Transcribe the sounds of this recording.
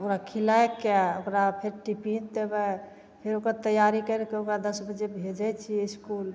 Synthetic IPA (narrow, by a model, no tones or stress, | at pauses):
okɾakʰilaekɛo̰kɾapʰeɾʈipind̪ebɛ | pʰeɾokəɾt̪əjaɾikəɾɛkeokɾad̪əsbəd͡ʒebʱed͡ʒɛt͡ʃʰiskul